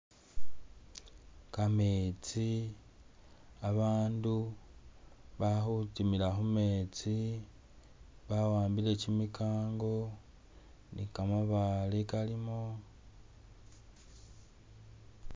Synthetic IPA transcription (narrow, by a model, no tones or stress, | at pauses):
kame̞t͡si | aβaːndu | βaxutimilaxume̞t͡si | βawaːmbile̞cimikʰaːŋɡo̞ | nikamoβalikalimo